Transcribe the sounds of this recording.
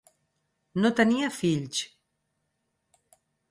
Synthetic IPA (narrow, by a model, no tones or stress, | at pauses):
not̪əniəfiʎs